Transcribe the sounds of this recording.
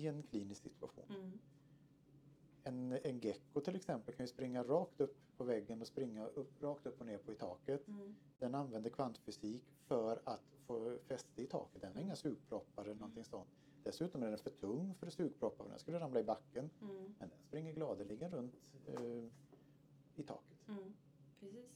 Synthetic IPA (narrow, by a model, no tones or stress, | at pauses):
ɪɛnkʰliːnɪsksɪ̰t̪ʰɵ̥a̰ɧṵːn | ɛnɛnɡɛkːʊt̪ʰɪlɛksɛmpəlkʰanjʏspɾɪŋːaɾɑːkt̪ɵpːpʰːɔvɛɡːənɔspɾɪŋːaʔɵpːɾɑːkt̪ɵpːɔneːɾpʰɔɪt̪ʰɑ̰ːkət̪ | d̪̥ɛnanvɛnd̪əkʰvant̪fʏsiːk | fœɾat̪foːfɛst̪əɪt̪ʰɑ̰ːkət̪̚d̪ɛnhaɾɪŋːasʉ̟ːɡ̚pʰɾɔpːaɾɛlnɔnt̪ʰɪŋsɔnt̪ | d̪̥ɛsʉ̟ːt̪ɔmæɖɛnfœʈʰɵŋːfœɾɔsʉ̟ːɡ̚pʰɾɔpːava̰d̪ɛ̰nskɵlːəɾamlaɪbakːənmɛ̰nd̪ɛnspɾɪŋːəɾɡlɑːd̪əlɪɡənɾɵnt̪ | ɪt̪ʰɑ̰ːkə̥t̪